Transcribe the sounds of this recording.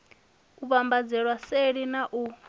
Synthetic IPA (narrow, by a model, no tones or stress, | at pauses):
uβambad͡zɛɺwaseɺinaʔu